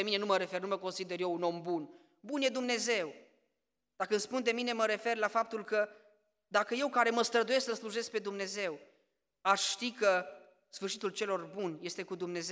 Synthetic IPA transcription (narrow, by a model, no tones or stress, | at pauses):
emine̞numəɾe̞fe̞rnuməko̞nsid̪e̞rjeuno̞mbun | bunje̞d̪umne̞ze̞w | d̪̥akəɨnspund̪e̞mine̞məɾe̞fe̞rlafap̚t̪ulkə | d̪akəje̞wkaɾe̞məst̪ɾəd̪uje̞sksəsluʒe̞sk̚pe̞d̪umne̞ze̞w | aʃʃt̪ikə | sfɨrʃit̪ult͡ʃe̞lo̞rbunje̞st̪e̞kud̪umne̞ze